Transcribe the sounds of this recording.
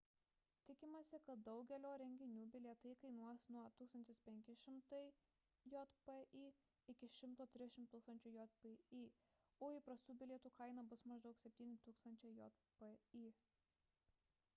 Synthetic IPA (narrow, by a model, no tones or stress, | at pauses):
t̪ʲɪkʲɪmɐsʲɪkɐt̪̚d̪ɒʊɡʲɛlʲoːɾʲɛŋʲɡʲɪnʲuːbʲɪlʲiɛt̪ɐɪkɐɪnuɔsnuɔt̪uːkst̪ɐnʲt̪ʲɪspʲɛŋʲkʲɪʃʲɪmt̪ɐɪ | jɔt̪pɛʔiː | ɪkʲɪʃʲɪmt̪oːt̪ʲɾʲɪʃʲɪmt̪t̪uːkst̪ɐnʲt͡ʃʲʊjɔt̪peiː | oːipɾɐst̪uːbʲɪlʲɛt̪uːkɐɪnɐbʊsmɐʒd̪ʊksʲɛp̚ʲt̪ʲiːnʲɪt̪uːkst̪ɐnʲt͡ʃʲɛɪjɔt̪pɛiː